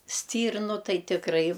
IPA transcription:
ˈsʲtʲiːrnʊ ˈtɐɪ tʲɪkˈrɐɪ

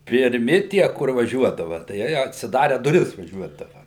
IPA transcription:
pʲɪrʲˈmʲɪ tʲiɛ kʊr ʋɐˈʒʲuɔdɐʋɐ tɐɪ ˈjɛɪj ɐtʲsʲɪˈdɑːrʲɛ dʊˈrʲɪs ʋɐˈʒʲuɔdɐʋɐ

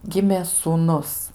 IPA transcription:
ˈɡʲɪmʲeː suːˈnʊs

